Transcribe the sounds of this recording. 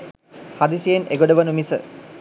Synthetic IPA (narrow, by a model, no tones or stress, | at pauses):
had̪isijeneɡoɖəʋɐnumisə̰